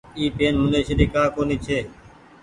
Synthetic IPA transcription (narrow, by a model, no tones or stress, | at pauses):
iːpeːnmʊndeːʃəɗiːkaːkoːniːt͡ʃʰeː